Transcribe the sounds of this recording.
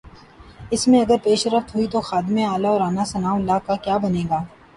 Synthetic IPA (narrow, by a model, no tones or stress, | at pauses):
ɪsmẽɐɡəɾpeːʃəɾəft̪ɦʊit̪oxaːd̪ɪmẽaːlaɔːɾaːnasɐnaːwɐlːaːkakjaːbɐneːɡaː